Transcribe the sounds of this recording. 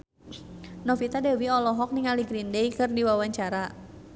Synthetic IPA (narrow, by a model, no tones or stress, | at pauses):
nɔfit̪adewiɔlɔɦɔk̚nɪŋaliɡɾindejkɨrdiwawaɲt͡ʃaɾa